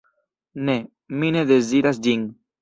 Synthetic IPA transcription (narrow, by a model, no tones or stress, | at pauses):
ne | mineðeziɾasd͡ʒiŋ